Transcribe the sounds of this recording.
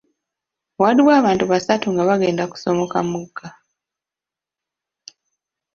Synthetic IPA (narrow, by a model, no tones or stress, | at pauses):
waɾiwaːβaːntuβasatuŋɡaβaɡe̞ːndaku̥so̞mo̞kamuɡːa